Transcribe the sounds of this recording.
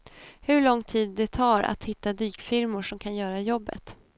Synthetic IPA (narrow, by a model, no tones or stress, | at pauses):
hɵɭɔŋːt̪ʰiːd̪ːɛt̪ʰɑːɾa̰t̪hɪt̪ːad̪yːkfɪɾmʊʂɔmkʰanjœːɾajɔbːə̰t̪